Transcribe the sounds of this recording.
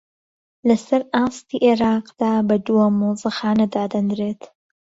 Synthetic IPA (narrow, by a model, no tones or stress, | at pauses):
lɐsɐɾaːst̪iːʔeɾɑːqd̪̥aːbɐd̪uɐmuzɨxaːnɐd̪aːd̪ɐnd̪ɾeːt̪ʰ